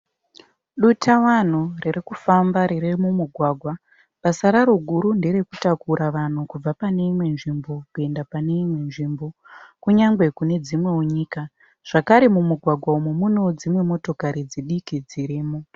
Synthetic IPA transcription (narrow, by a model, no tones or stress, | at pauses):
ɗutawan̤urerikufambaɾerermumuɡʱwaɡʱwa | pasaɾaɾo̞ɡʱuɾunde̞ɾe̞kutakuɾʔaʋan̤ukub͡vapane̞imwe̞nʐimbo̞kue̞ndapane̞imwe̞nʐimbo̞ | kuɲaŋɡwe̞kune̞d͡zimwe̞uɲiːka | ʐ̥akaɾemumuɡʱwaɡʱwaumemuno̞d͡zimwe̞mo̞to̞kaɾid͡ziɗikid͡ziɾiːmo